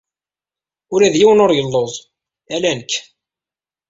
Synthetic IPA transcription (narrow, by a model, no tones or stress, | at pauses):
ulæðjiwənoɾjəlːoðˤ | ælænəkː